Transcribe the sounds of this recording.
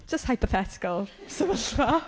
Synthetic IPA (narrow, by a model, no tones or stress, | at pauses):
d͡ʒ̥əsthajpəθɛtɪ̥kəlˠsəvəɬa